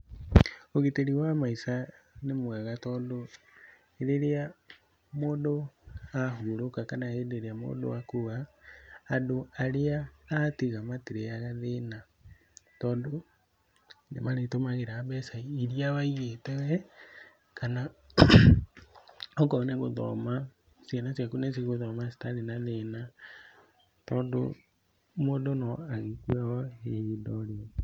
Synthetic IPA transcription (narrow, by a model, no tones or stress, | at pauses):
oɣeteɾiwamaisanemwɛɣatɔːdo | eɾeɾea | modoaɦuɾokakanahedeɾeamo̰ːdo̰akuɣaː | doaɾeaːtiɣamatiɾeaɣaðena | tɔːndo | nemaɾetomaɣeɾaːbɛsaiɾiawaiɣetɛwɛ | kana | ɔkɔneɣoðɔ̰ma | sanasjakunes̬iɣoðɔmasi̥taɾenaðena | tɔːndo̰ | modonɔaɣekwaɣɔedɔɾe